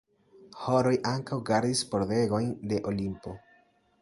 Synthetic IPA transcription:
ho̞ɾo̞jʔaŋkawɡaɾdispo̞ɾde̞ɡo̞jnde̞ʔolimpo̞

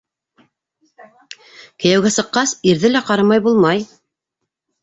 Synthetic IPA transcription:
kɘ̆jæwɡæsɤ̆qːɑsiɾðɘlæqɑɾɑmɑjbulˠmɑj

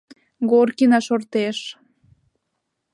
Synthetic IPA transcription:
ɡorkinɑʃort̪eʃ

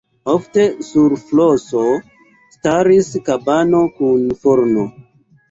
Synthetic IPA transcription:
ofte̞suɾfloso | staɾiskabano̞kunfoɾno

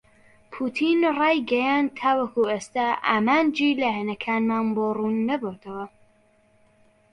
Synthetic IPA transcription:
pʰuːt̪ʰinrɑːjɡɐjaːnd̪̚t̪ʰaːwɐkueːst̪aːʔa̰ːmaːnd͡ʒiːlɐhɛnɐkʰaːnmaːnboːruːnːɐboːt̪ʰɐwɐ

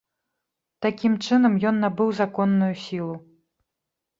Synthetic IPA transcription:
t̪akʲimt͡ʂɨnɐmjɔnːabɨwzakɔnːujusʲilˠu

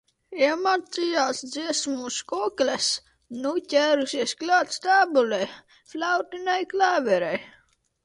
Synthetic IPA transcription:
imaɾt̪sijaːsd̪ziɛsmuskɔːklʲɛs | nucʲæɾusiɛsklʲaːt̪st̪aːbulʲɛj | flʲawt̪inajklæːvɛɾɛj

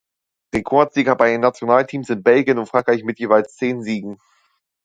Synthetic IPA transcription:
ʁekʰɔɐz̥iːɡɐbaɪənːat͡sjonaːltʰiːmsz̥ɪnt̚b̥ɛlɡjənʊntfʁ̥aŋkʁ̥aɪçmɪtjeːvaɪlst͡seːnziːɡŋ̩

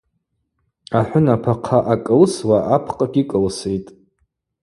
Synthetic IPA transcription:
aħʷʊnapʰaqʰaʔakʼɨlswaʔapʰqʼaɡʲikʼɨlsejtʼ

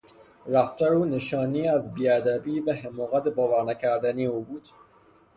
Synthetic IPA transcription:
ɾæft̪ʰæɾuːneʃɒːniːæzbiːæd̪æbiːvæhemɒːɣæt̪ʰebɒːvæɾnæcʰæɾd̪æniːuːbuːd̪̥

